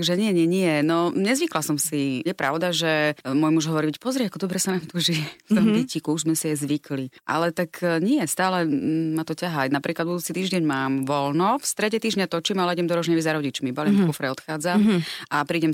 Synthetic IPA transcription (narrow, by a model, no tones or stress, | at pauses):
t̪aɡʒɛɲɪɛɲɪɛɲɪɛnɔɲɛzʋiklasɔmsijɛpɾa̰ʊd̪aʒɛmʊɔjmuʒɦɔʋɔɾiɛcpɔzɾiɛakɔd̪ɔbɾɛsanaːmt̪uʒift̪ɔmdɛcikuuzmɛsiɛzʋikliʔa̰lɛt̪akɲɪɛst̪aːlɛmat̪ɔcaɦajnapɾʔiːklad̪̚bud̪uːt͡sit̪iːʒɟɛɲmaːmʋɔlnɔfst̪ɾɛɟɛt̪iːʒɲat̪ɔt͡ʃimalɛiɟɛmd̪ɔɾɔʒɲɛʋizaɾɔɟit͡ʃmibalimkɔfɾɛɔt̪xaːd͡zamʔapɾiːɟɛm